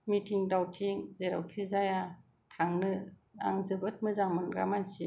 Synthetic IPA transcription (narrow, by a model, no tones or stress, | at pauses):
mitʰiŋdawtʰiŋzeɾa̰wkʰizaja | tʰaŋnɯa̰ŋzɯbɯt̚mɯzaŋmɯnɡa̰mansi